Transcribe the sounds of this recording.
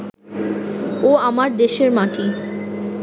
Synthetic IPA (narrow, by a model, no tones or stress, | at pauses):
oamaɾd̪eʃeɾmaʈi